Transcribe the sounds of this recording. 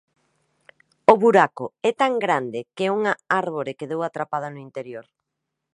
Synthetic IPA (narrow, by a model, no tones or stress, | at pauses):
ʊβuɾakʊɛt̪aŋɡɾand̪ɪkeuŋɐaɾβoɾekeðowat̪ɾapað̞ɐnʊint̪eɾjoɾ